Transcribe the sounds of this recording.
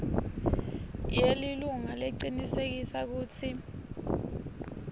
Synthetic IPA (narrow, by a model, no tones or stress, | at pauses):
jeliluŋaleǀinisek̬isak̬uːt͡sʰi